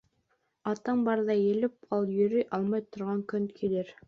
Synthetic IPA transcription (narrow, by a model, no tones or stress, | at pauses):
ɑt̪ɑmbɑɾðɑjelɪpɑlˠjɵɾyjʔɑlˠmɑjt̪ʰŏɾʁɑŋkɵnkʰileɾ